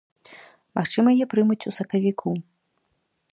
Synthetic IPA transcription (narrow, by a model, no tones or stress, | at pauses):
maxt͡ʂɨmɐjjɛpɾɨmɐt͡sʲusɐkɐvʲikʰu